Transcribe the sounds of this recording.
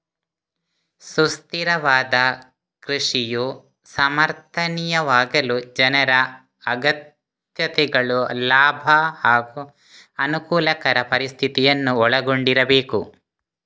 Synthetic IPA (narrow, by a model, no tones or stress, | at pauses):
sust̪iɾɐʋaːd̪ɐ | kɾiʂiju | sɐmɐɾt̪ʰɐnijɐʋaːɡɐlud͡ʒɐnɐɾɐ | ɐɡɐt̪ | jɐt̪ɛɡɐɭulaːbʱɐhaːɡu | ɐnukuːlɐkɐɾɐpɐɾist̪ʰit̪ijɐnːuɔɭɐɡoɳɖiɾɐbeːku